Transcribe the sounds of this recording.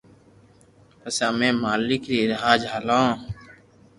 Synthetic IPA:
pəsaːmẽːmaːlɪkɾiːɾɪɦaːd͡ʒɦaːlõː

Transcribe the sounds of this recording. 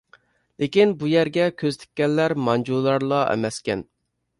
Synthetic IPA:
lekʲinbujæɾɡʲɛkʲʰøzt̪ʰɪ̥kʲːɛlːæɾmɑnd͡ʒulˠːɑɾlˠɑʔɛ̰mɛskʲɛn

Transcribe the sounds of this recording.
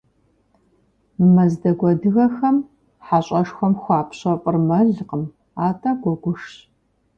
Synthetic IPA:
mɐzdɐɡʷɔdɨɣɐxɐm | ħaɕʼɐʂxʷɐmxʷɑːpʰɕʼɐpʼɨrmɐɮɨqəm | aːtʰʼaɡʷɔɡʷʊʂɕ

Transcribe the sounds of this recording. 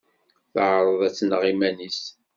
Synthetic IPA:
θəʕɾˤəðˤæt͡sːnəʁimænis

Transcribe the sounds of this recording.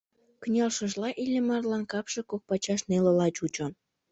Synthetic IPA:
kynʲɑlʃə̆ʒlɑʔilʲĕmɑrlɑnkɑpʃɤ̆kok̚pɑt͡ɕɑʃnelŏlɑt͡ɕut͡ɕŏ

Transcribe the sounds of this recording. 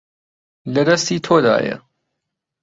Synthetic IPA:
lɐd̪ɐst̪iːt̪ʰoːd̪a̰ːjɐ̰

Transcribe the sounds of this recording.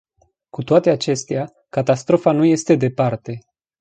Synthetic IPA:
kut̪oat̪e̞at͡ʃe̞st̪ea | kat̪ast̪ɾo̞fanuje̞st̪e̞d̪e̞part̪e̞

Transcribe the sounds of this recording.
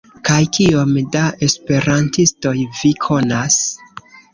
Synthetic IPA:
kajkio̞mdaʔe̞spe̞ɾantisto̞jvikʰo̞nas

